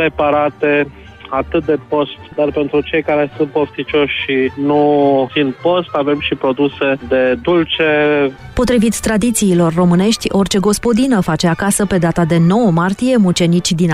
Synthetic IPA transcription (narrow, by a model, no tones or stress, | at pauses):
ɾepaɾat̪e̞ | at̪ɨt̪̚d̪e̞po̞st̪d̪arpe̞nt̪ɾut͡ʃe̞jkaɾe̞sunt̪̚poft̪it͡ʃo̞ʃʲʃinufint̪̚po̞st̪ave̞mʃipɾo̞d̪use̞d̪e̞d̪ult͡ʃe̞ | po̞t̪ɾivit̪sʲt̪ɾad̪it̪siːlo̞rːo̞mɨne̞ʃt̪ʲo̞rt͡ʃe̞ɡo̞spo̞d̪inəfat͡ʃeakasəpe̞d̪at̪ad̪e̞no̞wəmart̪ije̞mut͡ʃe̞nit͡ʃʲd̪in